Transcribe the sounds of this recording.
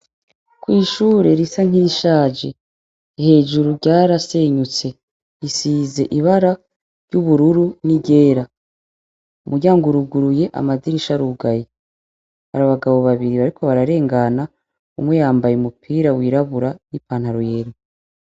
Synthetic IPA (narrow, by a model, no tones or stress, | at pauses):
kwiːʃuːɾe̞ɾisaŋ̥iʃaːd͡ʒe | he̞ːʒuɾuɾɟaːɾaseɲut͡se̞ | isiːze̞ʔiβaɾa | ɾɟuβuɾuɾuniɟe̞ːɾa | umuɾɟaːŋɡuɾuɡuɾuje̞ʔa̰madiɾiʃaɾuɡaje | ha̰ɾaβaɡaβo̞βaβiɾiβaɾikʰo̞βaɾaɾe̞ːŋɡana | umwejaːmbajeumupʰiːɾawiːɾaβuɾanipaːn̥haɾuje̞ːɾ